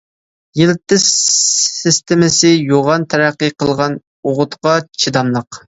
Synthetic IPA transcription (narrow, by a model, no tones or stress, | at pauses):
jilɪt̪ːɪʃː | ɪst̪ɪmɪsɪjoʁɑnt̪ʰæɾæqːɨqʰəlˠʁɑn | oʁʊt̪qɑt͡ʃʰid̪ɑnlˠəq